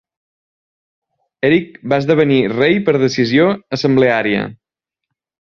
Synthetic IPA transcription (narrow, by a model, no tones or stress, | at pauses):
ɛɾik̚baəzðəβ̞ənirejpəɾðəsizioəsəmbleaɾiə̰